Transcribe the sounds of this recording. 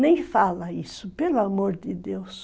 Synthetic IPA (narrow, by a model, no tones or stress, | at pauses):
nẽj̃falɐisʊpelʊamoɾd̪ɪd̪ews